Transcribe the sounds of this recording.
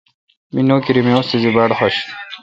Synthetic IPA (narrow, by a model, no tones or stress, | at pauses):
minoːkiɾimewst̪izibaːɽxoɕ